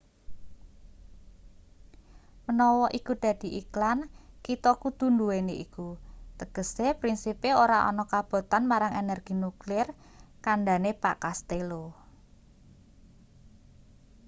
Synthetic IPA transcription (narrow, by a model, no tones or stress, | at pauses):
mənɔwɔʔikud̪̥ä̤d̪̥i̤ʔiklankit̪ɔkud̪̥ṳnd̪uweneʔikut̪əɡ̥ə̤sepɾinsipeoɾaʔɔ̰nɔkab̥o̤t̪anmaɾaŋenɛrɡ̥i̤nuklɪr | kanɖanepa̰ʔkast̪elo